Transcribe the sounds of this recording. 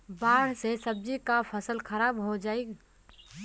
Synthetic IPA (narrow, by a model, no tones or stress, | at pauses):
baːɽ̤sesəb̚d͡ʒikapʰəsəlkʰəɾaːbɦod͡ʒaːiɡ